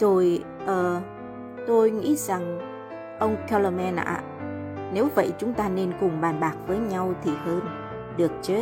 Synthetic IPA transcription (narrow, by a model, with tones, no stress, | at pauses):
zo˨˩j | ʔəː˨˩ | t̪o˧jŋḭ˧˥za˨˩ŋ | ʔə˧wŋ͡mka˧lə˧mɛ˧nʔa̰ː˧˨ | ne˨˦wvə̰˧˨jt͡ɕʊ˨˦ŋ͡mt̪aː˧ne˧nkʊ˨˩ŋ͡mɓaː˨˩nɓaː˨˩k̚vəː˨˦jɲa˧wt̪ʰi˨˩həː˧n | ɗɨ˨˩ək̚t͡ɕe˨˦